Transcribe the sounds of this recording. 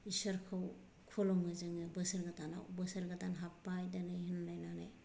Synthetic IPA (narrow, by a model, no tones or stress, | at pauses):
isɐɾkʰaw | kʰoloŋɯzɯŋɯbɯsɐɾɡatana̰wbəsɐɾɡatanɦapːajdanɯɦinlajnana̰j